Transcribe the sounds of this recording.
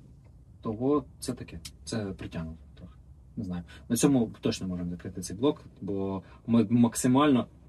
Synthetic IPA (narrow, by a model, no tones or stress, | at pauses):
t̪ɔɦɔt̪sɛt̪ɐkɛt̪sɛpɾɪtʲanʊlˠɔt̪ɾɔxɪ̥ | nɪznɑjʊnɐt͡sʲɔmʊt̪ɔt͡ʃnɛmɔʐɪmzɐkɾɪt̪ɪt̪ɛjblˠɔkbɔ | mɪmɐksɪmɑlʲnɔ